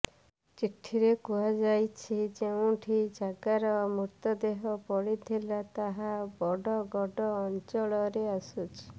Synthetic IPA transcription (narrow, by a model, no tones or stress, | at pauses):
t͡ʃiʈʰiɾekuad͡ʒajt͡ʃʰid͡ʒeũʈʰid͡ʒaɡaɾɔmuɾt̪ɔd̪eɦɔpɔɽit̪ʰilat̪aɦabɔɖɔɡɔɖɔːnt͡ʃɔɭɔɾeasut͡ʃʰi̥